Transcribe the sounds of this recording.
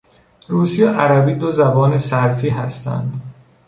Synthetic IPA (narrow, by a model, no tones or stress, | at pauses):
ɾuːsijeʔæɾæbiːd̪ozæbɒːnesæɾfiːɦæst̪ʰæ̰nd̪